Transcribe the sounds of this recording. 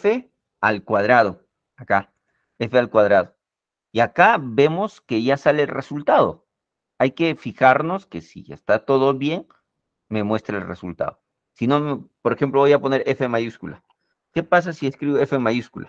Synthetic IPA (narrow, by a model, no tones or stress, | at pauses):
fe | alkwaðɾaðo̞ | aka | efealkwaðɾaðo̞ | iakabe̞mo̞ske̞ʝasaleːlresult̪að̞o̞̰ | ajke̞fixaɾno̞ske̞sḭḛst̪at̪o̞ðo̞βje̞ŋ | me̞mwe̞st̪ɾaelre̞sult̪a̰ðo | sino̞mepoɾexe̞mploβo̞japo̞ne̞ɾe̞femaʝuskula̰ | ke̞pas̬asieskɾiβoefemaʝuskula